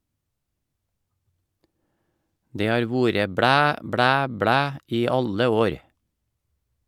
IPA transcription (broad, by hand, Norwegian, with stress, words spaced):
ˈdeː ˈhɑːɾ ˈʋuːɾə ˈbɽæː ˈbɽæː ˈbɽæː ˈiː ˈɑlə ˈoːɾ